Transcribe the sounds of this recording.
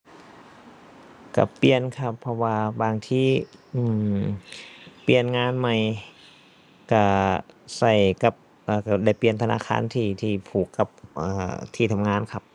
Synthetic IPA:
ka̰˧˩pli˧˨ənkʰa˧pʰːɔ˧waː˧baː˧ŋt̪ʰiː˧˥˩ʔɯː˧˩m | pi˨˧˩ənŋaː˧˥˨nma˧˩j | ka˧˩sa˧˩jka˧˦p̚ | ʔaː˧˩ka˧˩da˧˩jpli˨˧ənt̪ʰa˧na̰ː˧˥˨kʰa̰ː˧˥˨nt̪ʰiː˧˩t̪ʰiː˧˩pʰuː˨˩kːa˧˦p̚ʔaː˧˩t̪ʰiː˧˩t̪ʰa˧mŋaː˧˥˨nkʰa˧p̚

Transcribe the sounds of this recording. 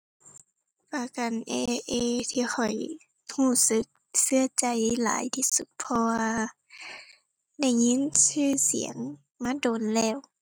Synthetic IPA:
paː˧ka˨˩nʔḛː˧ʔeː˧˨t̪ʰiː˧xʰɔ˨˩j | huː˧˩sɯ˧˦k̚sɯ˧ɐt͡ɕa˨˩jla̰ː˨˦jt̪ʰiː˧su˧˦t̪̚pʰɔ˧waː˧ | da˧˥˩jŋi˧˥˨nsɯː˧˩˨sḭ˨˩˦əŋ | maː˧˥˨doː˨nlɛː˧˩˨w

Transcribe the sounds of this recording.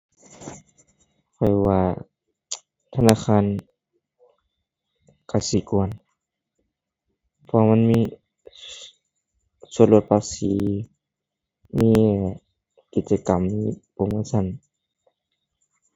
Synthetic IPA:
kʰɔ˧˩jwaː˧ | t̪ʰa˧naː˧˨xʰaː˧˥˨n | ka˧˩si˧˦ku˧˨ən | pʰɔ˧a˧ma˧˥˨nmiː˧˥˨ | su˧˦nlu˧ət̪̚pʰaː˧˥siː˨˦ | miː˧˨ | ki˨˧˩t̪̚t͡ɕa˧ka˨mniː˧˨po˧˦ŋmɯː˧˥˨sa˧˩˨n

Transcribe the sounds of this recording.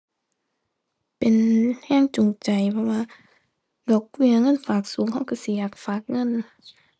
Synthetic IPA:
pe˨nhɛː˧˥˨ŋt͡ɕo˨ŋt͡ɕa˨˩jpʰɔ˧waː˧˨ | dɔː˧˦k̚wi˧˩˨ɐŋɤ˧˥˨nfaː˨˩k̚suː˨˦ŋɦa˧˥˩wka˧˩˨si˨˦jaː˨˩k̚faː˨˩k̚ŋɤ˧˥˨n

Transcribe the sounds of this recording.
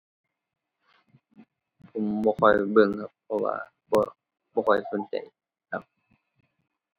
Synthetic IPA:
pʰo˨˦mbɔː˧kʰɔ˧jbɯ˧˩˨ŋkʰa˧p̚pʰːɔ˧wa̰ː˧ | bɔː˧ | bɔː˧˩kʰɔ˧˩jfu˧˦nt͡ɕa̰˨˩j | kʰa˧˥p̚

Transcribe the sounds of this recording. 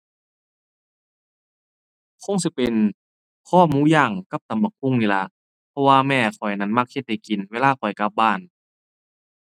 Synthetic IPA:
kʰo˧˥˨ŋsi˧pe˨n | kʰɔː˧˩˨huː˧˥˨jaː˧˩ŋka˧˩p̚t̪a˨˦mba˨˩kʰu˧˥˨ŋniː˧˨la̰˧˦ʔ | pʰɔ˧waː˧mɛː˧˩kʰɔ˨˩jna˧˥˩nma˧˨k̚he˧t̪̚ha˧˩jki˨nweː˧˥˨laː˧˨kʰɔ˨˩jka˧˦p̚baː˧˩˨n

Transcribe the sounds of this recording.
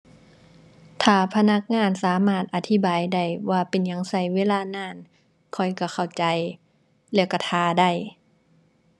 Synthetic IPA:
t̪ʰaː˧˩pʰa˧na˧˥k̚ŋaː˧˥˨nsaː˨˦maː˧˩t̪̚ʔa˨˧˩t̪ʰi˧˩baː˨jda˧˩jwaː˧pe˨nja˧˦ŋsa˧˩jweː˧˥˨laː˧˨naː˧˩˨n | kʰɔ˧˩jka˧˩xʰa˨˩wt͡ɕa˨˩j | lɛː˧˩ka˧˩t̪ʰaː˧da˧˩j

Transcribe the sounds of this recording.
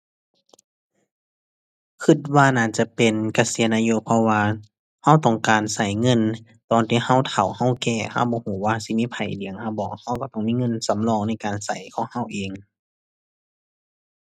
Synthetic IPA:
kʰɯ˧t̪̚waː˧naː˧˩˨t͡ɕa˧pe˨nka˧siː˨˦naː˧jo˧˨pʰɔ˧waː˧ | ha˧˥˨wt̪ɔː˧˩ŋkaː˨˩nsa˧˩jŋɤ˧˥˨n | t̪ɔː˨nt̪ʰiː˧˩ha˧˥˨wt̪ʰa˨˩wha˧˥˨wkɛː˧˩ha˧˥˩wbɔː˧˦huː˨˦waː˧si˧˦miː˧˥˨pʰa˨˩jdi˨əŋha˧˩˨wbɔː˧˩k̚ha˧˥˨wkɔ˧˩t̪ɔː˧˩ŋmiː˧˥˨ŋɤ˧˥˨nsa˨˦mlɔː˧˩ŋna˧˥˩jkaː˨nsa˨˩jkʰɔː˧˦ŋha˧˥˨wʔeː˨ŋ

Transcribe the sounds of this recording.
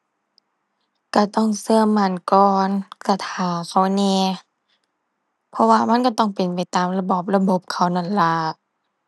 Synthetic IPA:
ka˧˩t̪ɔ˧˥˨ŋsɯ˧ɐma˧˩˨nkɔː˧nka˧˩t̪ʰaː˧˩wkʰa˧˩wnɛː˧˩ | pʰɔ˧waː˧ma˧˥˨nka˧˩t̪ɔ˧˥˩ŋpe˨˩npa˨˩jt̪aː˨mla˧bɔː˧˩p̚la˧bo˧˦p̚kʰa˧˩wna˧˩˨nla˧˦

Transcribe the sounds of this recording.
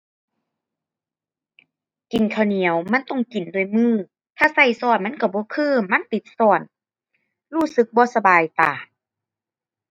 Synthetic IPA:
ki˨˩nkʰa˧˨˩wni˨˦əwma˧˥˨nt̪ɔ˧˨ŋki˨˩ndu˨˩əjmɯː˧˥˩ | t̪ʰaː˧˩sa˧˩jsɔː˧˩t̪̚ma˧˥˨nka˧˩bɔː˧˦kʰɯː˧˥˨ma˧˥˨nt̪i˨˦t̪̚sɔː˧˩n | huː˧˩sɯ˧˦k̚bɔː˧˦sa˧baː˨jt̪aː˨˩

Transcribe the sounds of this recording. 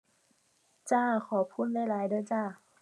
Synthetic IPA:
t͡ɕaː˥˩xʰɔː˨˩˦pʰuː˥˩n̚da˥˩jlaː˨˦jdɯː˧˥˩t͡ɕaː˥˩

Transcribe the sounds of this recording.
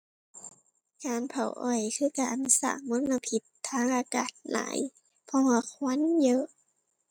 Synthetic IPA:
kaː˨npʰa̰˨˩wʔɔ˨˩jkʰɯː˧˥˨ka˧˩˨ʔnu˧˦sa̰ː˧˩k̚mo˧˥˨nʔa˧pʰi˧t̪ʰːaː˧˥˨ŋʔaː˨˧kaː˨˩t̪̚la̰ː˨˦j | pʰɔ˧waː˧kʰwa˧˥˨njɤː˧ʔ

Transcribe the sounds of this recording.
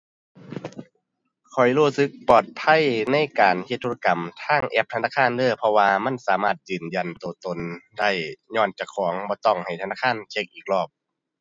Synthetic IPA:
kʰɔ˨˩jluː˧˩sɯ˧˥k̚pɔː˧˨˩t̪̚pʰa˧˥˨jna˧˥˨jkaː˨nhe˧t̪ʰːo˧a˧ka˨˩mt̪ʰaː˧˥˩ŋʔɛ˧˥p̚t̪ʰa˧naː˧˥˩kʰaː˧˥˨nlɤː˧˩˨pʰɔ˧waː˧ma˧˥˨nsaː˨˦maː˧˩t̪̚jɯː˨˩nja˨˩nt̪oː˨˩t̪o˨˩nda˧˥˩jɲɔː˧˥˩nt͡ɕa˧˩kʰɔː˩˦ŋbɔː˧˦t̪ɔ˧˩ŋha˨˩jt̪ʰa˧naː˧˥˩kʰaː˧˥˨nt͡ɕʰe˧˥k̚ʔiː˨˩k̚lɔː˧˩p̚

